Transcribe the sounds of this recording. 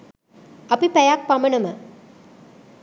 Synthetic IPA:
ɐpipɛjak̚pɐmɐnɐmə

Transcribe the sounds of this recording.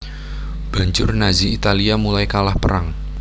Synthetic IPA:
b̥a̤ɲd͡ʒʊrnaziit̪aliamulajkalahpəɾaŋ

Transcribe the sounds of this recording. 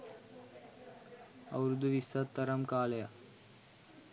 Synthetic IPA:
ɐ̰wɾud̪ʱuʋisət̪ːəɾəmkaːlja

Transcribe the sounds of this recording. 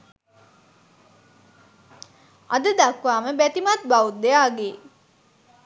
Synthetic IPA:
a̰d̪əd̪akʋaːməbæt̪imat̪̚baut̪̚d̪ejaːɡe

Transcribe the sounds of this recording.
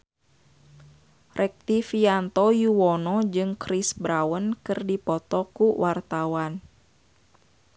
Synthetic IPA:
rʔɛk̚t̪ifiant̪ɔjuwɔnɔd͡ʒɨŋkɾisbɾawənkɨrdipɔt̪ɔkuwʔart̪awan

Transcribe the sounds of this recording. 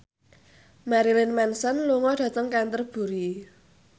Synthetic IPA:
maɾilɪnmɛnsənluŋɔɖ̥ä̤t̪əŋkant̪ərb̥ṳɾi

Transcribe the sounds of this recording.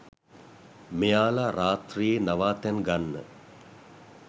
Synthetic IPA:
mejaːlaɾaːt̪rijenaʋaːt̪ɛnɡanːə̰

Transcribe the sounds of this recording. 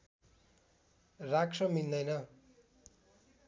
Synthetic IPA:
rakʂʌmind̪ʌjnʌ

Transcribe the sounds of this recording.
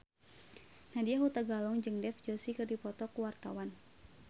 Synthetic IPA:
nadiaɦut̪aɡalɔŋd͡ʒɨŋdɛfd͡ʒosikɨrdipɔt̪ɔkuwart̪awan

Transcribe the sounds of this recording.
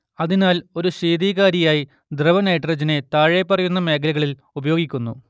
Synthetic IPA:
ɐðinaːlo̞ɾuɕiːd̪iːɣaːɾijaːji | d̪rɐʋɐnɐjʈrɐd͡ʑɐne̞t̪aːɻepːɐrɐjunːɐme̞ːkʰɐlɐɣɐɭil | ubɐjo̞ːɡikʲːunːu

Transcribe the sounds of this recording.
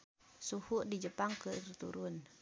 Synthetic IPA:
suhuʔdid͡ʒəpaŋkəɾit̪ṵɾun

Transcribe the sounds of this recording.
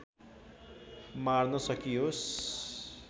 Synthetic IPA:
marnʌsʌkios

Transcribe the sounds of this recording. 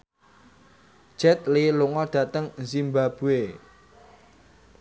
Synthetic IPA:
d̥ʒ̥ɛt̪̚liluŋɔɖ̥ä̤t̪əŋzimbab̥ṳe

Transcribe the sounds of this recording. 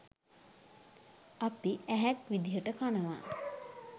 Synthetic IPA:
apiʔæɦækʋid̪iɦəʈəkanəʋa̰ː

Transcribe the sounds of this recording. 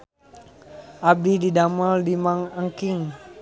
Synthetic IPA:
ʔabididamaldimaŋəŋkɪŋ

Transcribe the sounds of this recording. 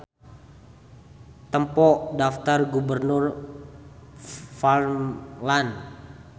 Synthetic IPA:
t̪əmpɔʔdaft̪arɡubərnʊr | falmlan

